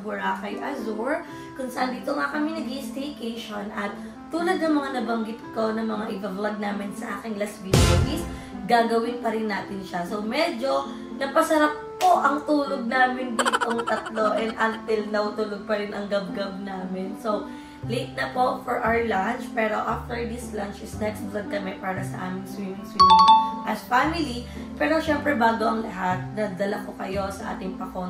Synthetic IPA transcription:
bʊɹaːkɐjʔɐzuɹ | kʊŋsɐʔand̪iːt̪oŋakɐmɛnɐɡiʔɪst̪ekejʃonʔɐt̪̚ː | uːlɐd̪̚nɐŋmɐŋanɐbɐŋɡɪt̪̚ko̞nɐŋmɐŋaʔɪvɐvlɐɡ̚naːmɪnsɐʔa̰ːkɪŋlɐsviʃobis | ɡaːɡɐwɪnpɐɾɪnːaːt̪ɪnʃasowmɛd͡ʒo̞ | nɐpɐsɐɾap̚ːo̞ʔɐŋt̪uːloɡ̚naːmɪnd̪iːt̪oŋt̪ɐt̪lo̞ʔɛnd̪ʔɐnt̪ɪlnɐwt̪uloɡ̚pɐɾɪnʔɐŋɡɐb̚ɡɐb̚naːmɪnsow | let̪̚nɐpo̞fɔɹʔawəɹlant͡ʃpɛːɾo̞ʔaft̪ɛɹd̪ɪslant͡ʃɪsnɛk̪sd̪ɾɐd̚k̪ɐmɛt̪̚paːɾɐsɐʔa̰ːmɪŋswimɪŋswiːmɪŋʔɐsfamɪli | pɛːɾo̞ʃɛmpɾɛbaːɡoʔɐŋlɐɦat̪̚nɐd̪ɐlɐkokɐjo̞sɐʔa̰ːt̪ɪŋpɐkon

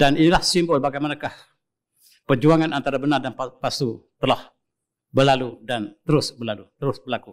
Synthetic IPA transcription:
d̥aninilahsimbʊlbaɡajmanakah | pərd͡ʒuaŋanant̪aɾabənardanpapasut̪əlah | bəlaludant̪əɾʊsbəlalut̪əɾʊsbərlaku

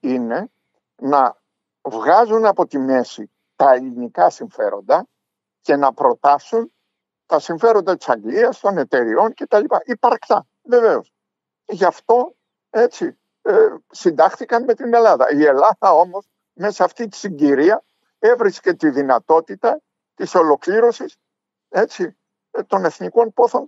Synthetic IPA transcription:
ine̞ | nɐ | vɣɐzunɐpo̞t̪ime̞si | t̪ɐelinikɐsiɱfe̞ɾo̞̰nd̪ɐ | ce̞nɐpɾo̞t̪ɐsun | t̪ɐsiɱfe̞ɾo̞nd̪ɐt̪i̥sɐŋɡliɐst̪o̞ne̞t̪e̞ɾio̞nce̞t̪ɐlipɐʔipɐɾkt̪ɐ | ve̞ve̞o̞s | ʝɐft̪o̞ | e̞t͡si | esind̪ɐxθikɐnme̞t̪ine̞lɐðɐ̰ie̞lɐðɐo̞mo̞z | me̞sɐft̪it̪i̥siɲɟiɾiɐ | e̞vɾisce̞t̪iðinɐt̪o̞t̪it̪ɐ | t̪iso̞lo̞kliɾo̞sis | e̞t͡si | t̪o̞ne̞θniko̞npo̞θo̞n

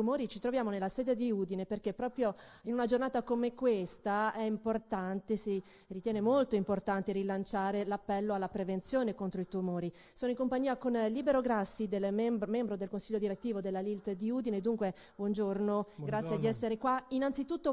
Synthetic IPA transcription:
t̪umoːɾit͡ʃit̪ɾovjaːmonelːasɛːd̪ed̪iud̪ineperkepːɾɔːpɾjoinunad͡ʒornaːt̪akomekwest̪aɛimport̪ant̪esi | rit̪jɛːnemolt̪oimport̪ant̪eɾilant͡ʃaːɾelapːɛlːoalːapɾevent̪sjoːnekont̪ɾoit̪umoːɾi | soːnoiŋkompaɲːiːakonlibeɾoɡɾasːid̪elemmɛmbɾod̪elkonsiʎːod̪iɾet̪ːiːvod̪elːalilt̪d̪iuːd̪ineːd̪ːuŋkwe | bwɔnd͡ʒornoɡɾat̪sjed̪iɛsːeɾekwainant̪sit̪ut̪ːo

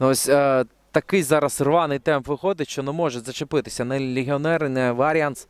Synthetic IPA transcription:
nɔsʲ | t̪ɐkɪjzɑɾɐsrʋɑnɪjt̪ɛmpʋɪxɔd̪ɪtʲʃt͡ʃɔnɛmɔʒɛzɐt͡ʃepɪt̪ɪ̥sʲɐnɐlʲeɦʲiɔnɛɾɪnɛʋɐɾʲans

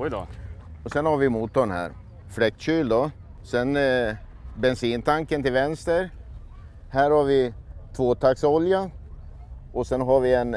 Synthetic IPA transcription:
jd̪ɑ̰ɔsɛnhaɾvɪmuːt̪ːɔɳhæ̰ːɾ | flɛk̚t̪ɕyːld̪ɔ | sɛn | bɛnsiːnt̪ʰaŋkənt̪ɪlvɛnst̪əɾ | hæːɾhaɾvɪt̪ʰvoːt̪ʰaksɔlja | ɔsɛnɦaɾvɪɛn

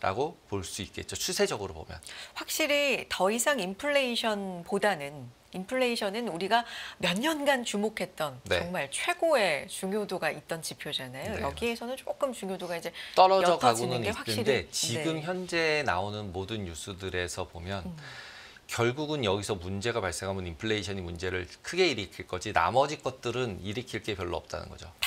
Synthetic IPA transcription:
ɾʔa̰ɡopoɭs͈uit̚k͈e̞t̚t͡ɕ͈ot͡ɕʰusʰe̞d͡ʑʌɡɯɾopo̰mjʌnɸwak̚ɕ͈iɾitʌisʰaŋimpʰɯɭːe̞iɕʰʌnpodanɯn | impʰɯɭːeiɕʰʌnɯnuɾiɡamjʌɲːʌnɡant͡ɕumokʰe̞t̚t͈ʌnnʌŋmaɭt͡ɕʰwe̞ɡoe̞t͡ɕuŋjodoɡait̚t͈ʌnt͡ɕipʰjod͡ʑanajojʌɡie̞sʰʌnɯnt͡ɕ͈ok͈ɯmt͡ɕuŋjodoɡaid͡ʑe̞t͈ʌɾʌjd͡ʑʌkʰaɡd͡ʑoinɯnɡeɸwakɕɯnide̞t͡ɕiɡɯmçjʌnd͡ʑe̞naonɯnmodɯnjus͈ʰudɯɾe̞sʰʌpomjʌn | kjʌɭɡuɡɯnjʌɡisʰʌmund͡ʑe̞ɡapaɭs͈eŋɦamɯnimpʰɯɭːeiɕʰʌɲimund͡ʑe̞ɾɯɭkʰɯɡe̞iɾɯkʰiɭk͈ʌd͡ʑina̰mʌd͡ʑik͈ʌt̚t͈ɯɾɯniɾiɯkʰiɭk͈e̞pjʌɭːoʌp̚t͈a̰nɯ̰nɡʌd͡ʑo̰

